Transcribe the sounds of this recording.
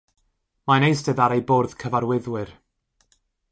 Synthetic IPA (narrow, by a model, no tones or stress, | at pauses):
manejsdɛðaɾejboːrð̥kʰəvaɾwɪðwɪr